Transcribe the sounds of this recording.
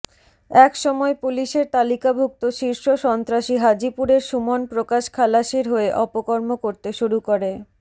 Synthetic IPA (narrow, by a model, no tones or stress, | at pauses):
ɛkʃɔmɔepuliʃeɾt̪alikabʱuk̚t̪oʃiɾʃoʃɔnt̪ɾaʃiɦad͡ʑipuɾeɾʃumonpɾokaʃkʰalaʃeɾɦoeʔɔpokoɾmokoɾt̪eʃuɾukoɾe